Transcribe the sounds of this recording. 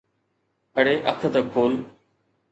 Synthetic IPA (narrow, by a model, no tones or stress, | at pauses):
əɽeːʔə̰kʰət̪ɐkʰːoːl